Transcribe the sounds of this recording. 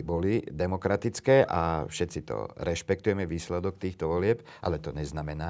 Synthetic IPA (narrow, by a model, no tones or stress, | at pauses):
bɔlid̪ɛmɔkɾat̪it͡skɛːʔafʃɛt̪t͡sit̪ɔ̰ɾɛʃpɛk̚t̪ujɛmɛʋiːslɛd̪ɔkt̪iːxt̪ɔʋɔlɪɛp | ʔa̰lɛt̪ɔɲɛznamɛnaː